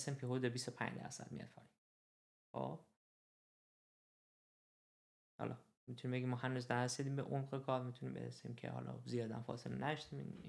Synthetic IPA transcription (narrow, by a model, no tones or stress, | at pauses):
siːmpʰiɦod̪ebist̪opʰæ̰ɲd̪æ̰ɾsæ̰d̪̚mḭjɒ̰d̪fʰɒ̰in | xo̰b̥ | hɒ̰lʔɒ | mit̪ʰuniːmbeɡʲimːɒːhænuznæɾæsid̪iːmbeʔomɢekʰɒːɾmit̪ʰunimbḛɾesḭːmcʰe̞̰hɒ̰lʔɒ̰zijɒːd̪æmfɒ̰ːselenæd̪ɒʃt̪iːmḭn